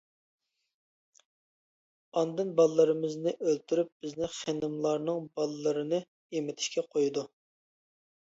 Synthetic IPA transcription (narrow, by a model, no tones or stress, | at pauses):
ɑnd̪ɨnbɑlˠəlːˠɨɾɨmɪznɪʔølt̪ʰyɾyp̚b̥ɪznɪχenɨmlˠɑɾnɨŋbɑlˠɨlːɨɾɨnɨ | emɪt̪ʰɪ̥ʃkʲɛqʰojud̪u